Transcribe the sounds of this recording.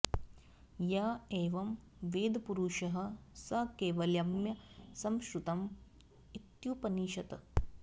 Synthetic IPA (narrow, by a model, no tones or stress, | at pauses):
jaːeːʋɐmʋeːd̪ɐpuɾuːʃɐɦɐ̆sɐkeːʋɐljɐmjɐsɐmʃɾut̪ɐm | it̪jupɐniːʃɐt̪ɐ